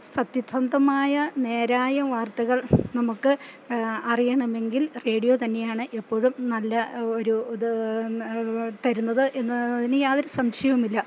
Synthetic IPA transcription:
sɐt̪jit̪ʰːɐnd̪ɐmaːjɐne̞ːɾaːjɐʋaːrt̪ɐɣɐɭnɐmukːɨ | ɐrijɐɳɐme̞ŋɡilre̞ːɽijo̞ːt̪̬ɐnːe̞jaːɳɨʔe̞pːo̞ːɻumnɐlːɐoɾu | t̪ɐɾunːɐðɨʔe̞nːðinɨjaːðoɾusɐmɕɐjɐumilːɐ

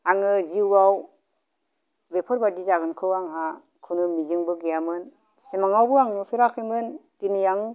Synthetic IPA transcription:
aŋɯziwaw | bepʰɔɾbadizaɡɯnkʰɯwaŋɦa | kʰɯnɯmizɯŋbɯɡejamɯn | simaŋawbɯaŋnɯpʰiɾakʰɯjmɯndinijaŋ

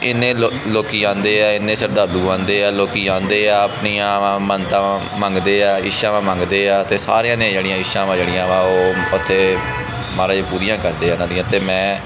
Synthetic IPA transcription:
ɪnːẽːoloːkiːãːnd̪eːaːɪnːẽːsəɾd̪aːɾluːãːnd̪eːaːloːkiːãːnd̪eːaːəpniːãːʋãːmənt̪ãː | məŋɡd̪eːaːɪʃãːʋãːmə̃ŋɡd̪eːaːt̪eːsa̰ːɾeãːd̪ĩːd͡ʒeːɽijãːɪʃãːʋãːd͡ʒeːɽĩãːʋãːoːʊt̪ʰːeː | maːɾaːd͡ʒeːpuːɾijãːkəɾd̪eːaːnãd̪ĩːãːt̪eːmɛ̃ː

